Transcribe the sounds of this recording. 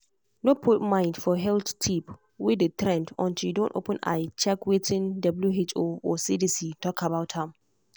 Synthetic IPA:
nopʰut̚mãɪ̃ndfɔɦɛlttʰip | wɪdətɹɛ̃ndɔ̰̃ntidõnto̰pə̃na̰jt͡ʃɛkwetʰĩndɔbljuɦet͡ʃoɔsidisitʰɔkʰabaʊthãm

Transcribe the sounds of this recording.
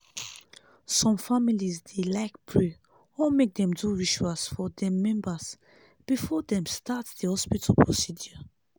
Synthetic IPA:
sɔ̃mfamilizdelaɪkpʰɹe | ɔmek̚d̪ɛ̃mduɹiʃasfɔdɛ̃mːɛ̃mbas | b̥ifɔdɛ̃mstʰatsdəhɔspitʰalpʰɹosidjɔ

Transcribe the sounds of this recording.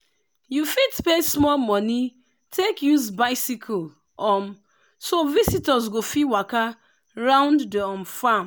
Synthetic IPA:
jufidpesmɔlmɔni | tʰekjuzbaɪsikʰɔl | ɔm | sovisitɔzɡofiwaka | ɹãʊ̃nddiɔ̃mfãm

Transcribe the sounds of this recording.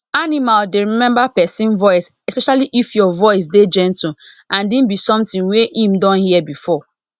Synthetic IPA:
animaldeɹimɛ̃mbapɛsĩnvɔɪsɛspɛʃaliʔifjɔvɔɪs̬ded͡ʒɛ̃nti | ãndĩnbisɔ̃mtĩnweʔĩmdɔ̃nhiɛbifɔ

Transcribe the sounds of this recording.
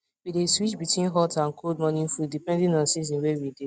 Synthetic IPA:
wideswit͡ʃbitwĩnɦɔtʰãnkʰoldmɔnĩnfudipɛ̃ndĩnɔ̃nsiz̬ĩnwewide

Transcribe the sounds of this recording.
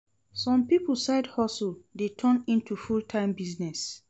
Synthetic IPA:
sɔ̃mpipolsaɪdhɔsuldetʰɔ̃nĩntufultʰãɪ̃mbiznɛs

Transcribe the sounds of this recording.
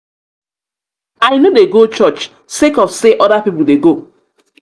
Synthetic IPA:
aɪnodeɡot͡ʃɔt͡ʃ | sekɔfseʔɔɾapipuldeɡo

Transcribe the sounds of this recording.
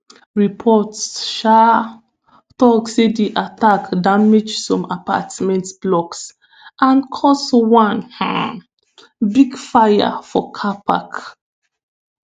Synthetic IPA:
ɹipʰɔtʃa | tɔksedeʔatakdamed͡ʒsɔ̃mapa̰tmɛ̃ntb̥lɔks | ʔãnkʰɔswãnhã̰ | biɡfaja̰fɔkʰapʰa̰k

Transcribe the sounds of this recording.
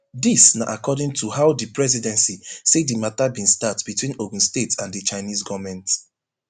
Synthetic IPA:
disnaʔakɔdĩŋtʰuhaʊdipɹɛzidɛ̃nsisedimatabĩnstatb̥itwĩnoɡ̃n̩stetãndət͡ʃaɪnizɡɔvmɛ̃nt

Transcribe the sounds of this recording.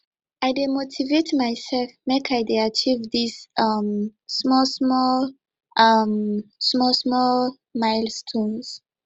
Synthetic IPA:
ʔaɪdemotʰivetmajsɛlfmekʰaɪdeat͡ʃivðiz̥ʌmsmɔlsmɔl | ʔʌmsmɔlsmɔl | maɪlstʰɔ̃nz̥

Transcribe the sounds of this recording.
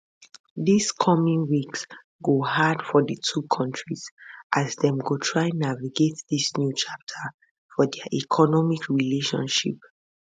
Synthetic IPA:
diskʰɔmĩŋwiks | ɡoɦadfɔdətʰukʰɔ̃ntʰɹizʔazdɛ̃mɡotʰɹaɪnaviɡetdisnjut͡ʃap̚tʰə | fɔdɛəʔikʰɔnɔmikʰɹileʃɔ̰̃nʃḭp

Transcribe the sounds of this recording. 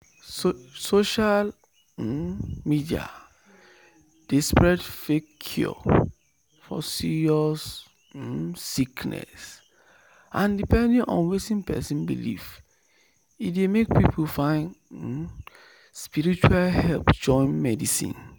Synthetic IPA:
soʃal | midia̰ | d̥espɹɛdfekʰɔ̰ | fɔ̰siɹiɔs | iknɛ̰s | ʔãndipɛ̃ndĩŋʔɔ̰̃nwetĩnpɛ̰sĩnbḭlḭv | idemek̚pipʰulfãɪ̃n | spiɹit͡ʃualhɛlpd͡ʒɔ̃ɪ̃nmɛdisḭ̃n

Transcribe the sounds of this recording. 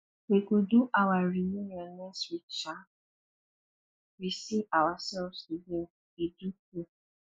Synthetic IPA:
ekuduʔawaɾijuniɔnɛswit͡ʃa | ɾisivawasɛlvstude | iduku

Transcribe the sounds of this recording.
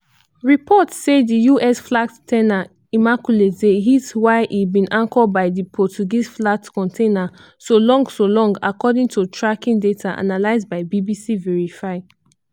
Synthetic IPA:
ɹipʰɔtsedijuʔɛsflak̚ttʰɛna | imakjuletdeɦitwaɪʔibĩnʔãŋkɔbaɪdipʰɔt͡ʃuɡisflak̚tkɔ̃ntʰẽna | solɔ̃ŋɡsolɔ̃ŋɡa̰kɔdĩŋtʰutʰɹakĩŋdetʰaʔa̰nalaɪzbaɪbibisivɛɹifaɪ

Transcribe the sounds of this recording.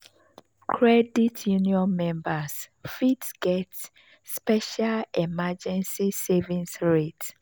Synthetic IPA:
kʰɹɛditʰjuniɔ̃nmɛ̃mbasfitsɡ̥ɛt | spɛʃalɛmad͡ʒɛ̃nsisevĩnsɹet

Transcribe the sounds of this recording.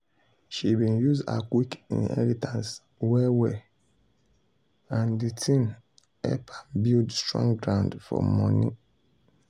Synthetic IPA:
ʃibĩnjuza̰kwikḭ̃nɛ̰litʰãns | wɛwɛ | ãnditʰĩn | ɛ̰pʰḁbildstɹɔ̰̃ŋɡɾãʊ̃ndfɔ̰mɔ̃nĩ

